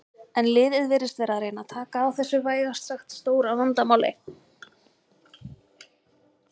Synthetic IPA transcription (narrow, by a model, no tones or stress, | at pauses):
ɛnlɪːðɪðvɛːɾɪst̪vɛːɾaðɾeːjnat̪ʰaːkaːwθɛsːʏvaːjɣast̪saxt̪st̪oːwɾawvant̪amaːwlɪ̰